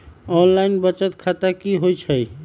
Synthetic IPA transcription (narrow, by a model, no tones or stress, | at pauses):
ɔnlainbət͡ʃət̪kʰat̪akiɦojt͡ʃʰəj